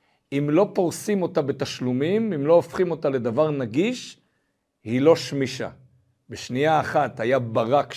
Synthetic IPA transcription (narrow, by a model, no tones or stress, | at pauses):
imlo̞poʁsimo̞t̪abet̪aʃlumimimlo̞ːfχimo̞t̪ale̞d̪avaʁnaɡiʃ | hilo̞ʃmiʃa̰ | beʃniaːχathajabaʁak